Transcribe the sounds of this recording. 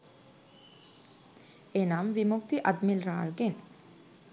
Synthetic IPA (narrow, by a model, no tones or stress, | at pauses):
enamʋimukt̪iʔad̪milɾa̰ːɭɡen